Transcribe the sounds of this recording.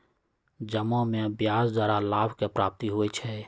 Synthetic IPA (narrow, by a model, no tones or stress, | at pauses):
d͡ʒəmõmẽbjaːsd̪aːɾalaːbʱkepɾaːp̚t̪iɦoːet͡ʃʰɛ